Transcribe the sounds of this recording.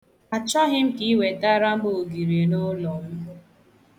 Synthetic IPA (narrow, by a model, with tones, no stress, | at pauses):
a˨t͡ʃɔ˦ɦɪ˦m̩˦ki˨˦i˦we˨ta˦ɾa˦m̩˦bo˨o˨ɡi˨ɾi˨e˨nʊ˦lɔ˨m̩˦